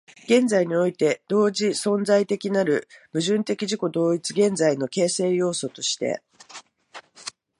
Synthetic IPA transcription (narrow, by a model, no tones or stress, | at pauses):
ɡ̥ẽ̞nd͡zaiɲ̟io̞it̪e̞d̪̥o̞ːd͡ʑisõ̞nzait̪e̞kʲinaɾɯ̟mɯ̟ʑɨ̃nt̪e̞kʲiʑiko̞d̪o̞ːit͡sɨɡẽ̞nd͡zaino̞ke̞ːse̞ːjo̞ːso̞t̪o̞ɕi̥t̪e̞̰